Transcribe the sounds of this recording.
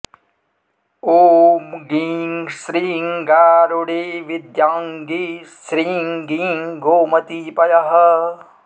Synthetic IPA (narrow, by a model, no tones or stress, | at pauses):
oːmɡiŋʃɾiːŋɡaːɾuɽeːʋid̪jaːŋɡisɾiːŋɡiŋɡoːmɐt̪ipɐjɐɦɐ